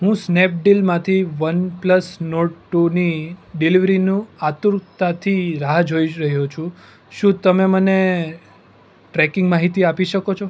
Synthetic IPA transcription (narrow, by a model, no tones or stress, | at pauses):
ɦũsnep̚ɖilmãt̪ʰiʋənpləsnoʈʈuniɖiliʋɾinũat̪uɾkt̪at̪ʰiɾaɦd͡ʒʱoiɾəɦjot͡ʃʰũ | ʃũt̪əmeməne | ʈɾɛkɪ̃ŋɡmaɦit̪iapiʃəkot͡ʃʰo